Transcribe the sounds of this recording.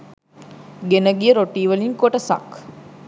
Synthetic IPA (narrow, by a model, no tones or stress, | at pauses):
ɡenɐɡijɐɾoʈiːʋɐliŋkoʈɐsɐ̰k